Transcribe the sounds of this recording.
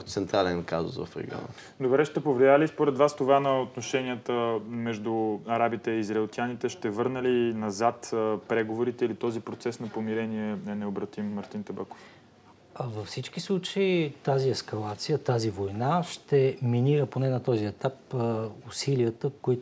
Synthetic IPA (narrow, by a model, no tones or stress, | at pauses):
t̪sɛnt̪ɾalɛnkazo̰svɐ̰fɾɛ̰ɡɔ̰nə̰ | d̪obɾɛʃt̪ɛpovlialispoɾɛd̪vast̪ovanɐot̪noʃɛniət̪əmɛʒd̪uɐɾabit̪ɛiːzɾɐilˠt̪ʲianit̪ɛʃt̪ɛvɤɾnəlinɐzat̪pɾɛɡovoɾit̪ɛilit̪ɔzipɾot̪sɛsnɐpomiɾɛniɛnɛobɾɐt̪imːɐɾt̪int̪ɛbako̥f | vəfsit͡ʃk̟islˠut͡ʃəit̪aziɛskɐlˠat̪sijət̪azivojnaʃt̪ɛminiɾəponɛnɐt̪ɔziɛt̪apʊsiliət̪əkoit̪